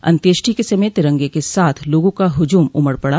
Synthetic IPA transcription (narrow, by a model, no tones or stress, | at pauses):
ɐ̰̃nt̪eːʃʈʰikesɐmẽt̪ɪɾə̃ŋɡekesaːt̪ʰloːɡõkaɦʊd͡ʒuːmʊməɾpɐɽa